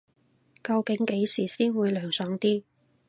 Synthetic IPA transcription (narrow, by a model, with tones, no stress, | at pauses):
kɐ˧wkɪ˨˥ŋke˨˥jsiː˨˩siː˥nwuː˨˧jlœː˨˩ŋsœː˨˥ŋt̪iː˥